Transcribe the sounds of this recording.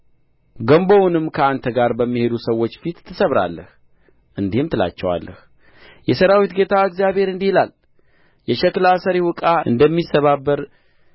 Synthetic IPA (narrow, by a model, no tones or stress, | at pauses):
ɡəmbownɨmːkʰəant̪ʰəɡaɾbəmːihe̞d̪usəwːo̞t͡ʃːfit̪ʰːɨsəβɾa̰lːə̰h | ʔɨnd̪ihɨmt̪ʰɨla̰t͡ʃːɛwa̰lːə̰h | jɛsəɾawit̪ɡe̞t̪ʰaɨɡzjabhe̞ɾɨnd̪ihilal | jɛʃɛklasəɾiwʊkʼaɨnd̪əmːisəβabːəɾ